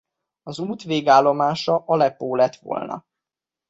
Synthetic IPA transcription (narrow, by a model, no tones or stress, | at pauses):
ɒzuːt̪ʋeːɡaːlːo̞maːʃɒʔɒlɛpːoːlɛt̪ʋo̰lnɒ̰